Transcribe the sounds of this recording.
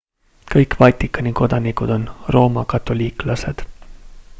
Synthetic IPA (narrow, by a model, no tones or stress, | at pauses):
kɤjkvɑt̪ʲːˑikːˑɑniko̞d̪̥ɑnikud̪̥o̞nro̞ːmɑkɑt̪ːˑo̞lʲiːklɑse̞d̪̥